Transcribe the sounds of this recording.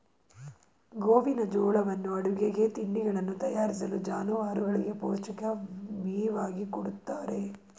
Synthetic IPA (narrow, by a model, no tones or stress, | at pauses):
ɡoːʋinɐd͡ʒɔːɭɐʋɐnːuɐɽuɡeɡe̞t̪iɳːiɡɐɭɐnːut̪ɐjaːɾis̬ɐlud͡ʒaːnuʋaːɾuɡɐɭiɡe̞poːt͡ʃɐkɐʋiːʋaːɡikuɽut̪ːaːɾe̞